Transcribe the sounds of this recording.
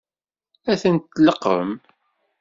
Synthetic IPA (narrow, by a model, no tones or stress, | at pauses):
æθənt̪ːləqːə̰m